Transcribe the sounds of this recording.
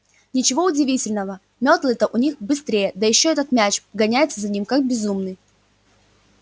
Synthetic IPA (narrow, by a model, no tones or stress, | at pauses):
nʲɪt͡ɕɪvo̞ʊdʲɪvʲitʲɪlʲnəvə | mʲot̪lˠət̪əʔʊnʲixbɨst̪ɾʲejəd̪əjɪɕːoɛt̪ət̪mʲæt͡ɕɡɐnʲæjɪt̪səzɐnʲimkak̚bʲɪzumnɨj